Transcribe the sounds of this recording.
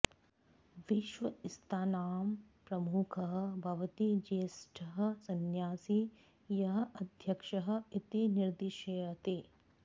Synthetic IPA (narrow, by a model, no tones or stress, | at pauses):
ʋiʃʋɐɪst̪ʰaːnaːmpɾɐmukʰɐɦɐ̆bʱɐʋɐt̪id͡ʒeːsʈʰɐɦɐ̆sɐnjaːsi | jɐɦɐ̆ʔɐd̪ʱjɐkʃɐɦɐ̆it̪iniɾd̪iʃɐjɐt̪eː